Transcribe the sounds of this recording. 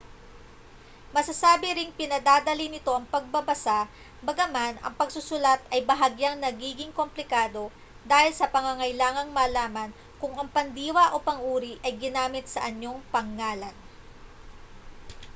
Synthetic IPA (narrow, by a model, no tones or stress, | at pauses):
mɐsɐsaːbɪɾɪŋpɪnɐd̪aːd̪ɐlinɪt̪o̞ʔɐŋpɐɡ̚bɐbɐsa | bɐɡɐmanɐ̰ŋpɐɡsʊsʊlat̪ɐjbɐɦɐɡjaŋnɐɡiːɡɪŋko̞mplɪkaːd̪o̞ | d̪aːhɪlsɐpɐŋɐŋɐjlaːŋɐŋmɐlaːmɐn | kʊŋɐŋpɐnd̪iːwɐʔo̞pɐŋʔuːɾiʔɐjɡɪnaːmɪt̪̚sɐʔɐɲjo̞ŋpɐŋːaːlɐn